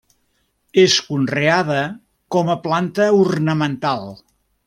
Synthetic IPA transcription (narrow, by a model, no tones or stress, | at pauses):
eskunreaðə | kɔməplant̪əurnəmənt̪alˠ